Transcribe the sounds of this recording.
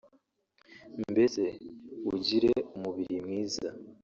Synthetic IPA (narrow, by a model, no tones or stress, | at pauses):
mbeze̞uɟiɾeumuβiɾimŋiːza